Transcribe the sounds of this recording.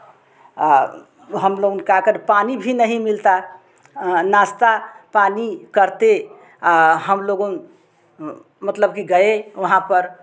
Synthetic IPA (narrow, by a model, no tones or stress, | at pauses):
ɦəmloɡunkakəɾpanibʱinəɦimilt̪a | nast̪apanikəɾt̪e | aɦəmloɡon | mət̪ləbkiɡəeʋəɦãpəɾ